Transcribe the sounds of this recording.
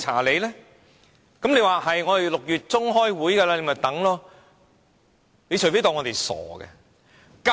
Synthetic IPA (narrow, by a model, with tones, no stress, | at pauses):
a̰ː˨˩le˨˧jlɛː˥ | kɐ˨˥mne˨˧jwaː˨˧ɦɐ˨jŋɔː˨˧e˨lʊ˨k̚jyː˨˩t̚t͡sʊ˥ŋɦɔː˥jwuː˨˥jkɛː˧laː˧le˨˧˥mɐ˨t̪ɐ˨˥ŋlɔː˥ | le˨˧jt͡ʃʰfe˥jt̪ɔː˧ŋɔ˨˧t̪e˨jsɔ̰ː˨˩ɡɛ̰˧ | ka